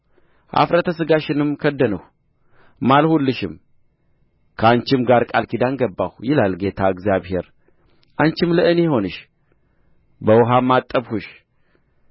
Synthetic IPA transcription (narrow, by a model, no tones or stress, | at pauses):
ʔa̰fɾət̪ʰəsɨɡaʃɪnɨmkʰəd̪ːənəw | malhulːɨʃɪm | kʰəant͡ʃɪmɡaɾkʼalkʰid̪anɡəbːahjɪlalɡe̞t̪ʰaɨɡzjaβhe̞ɾ | ʔant͡ʃɪmləʔɨneho̞nɨʃ | bəwɦamːat̪ʼːəβhuʃ